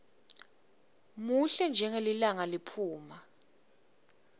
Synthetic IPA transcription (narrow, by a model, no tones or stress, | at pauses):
muɬɛnd͡ʒʱɛŋelilaŋalipʰuːma